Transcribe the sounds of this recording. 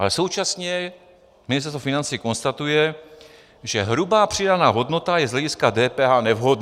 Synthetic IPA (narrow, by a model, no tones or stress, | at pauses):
ʔalɛsowt͡ʃasɲɛ | mɪnɪst̪ɛɾst̪vafinant͡siːkonst̪at̪ujɛ | ʒɛɦɾubaːpr̥idanaːɦo̞dnot̪ajɛzlɛɟɪskadɛːpɛːɦaːnɛvɦod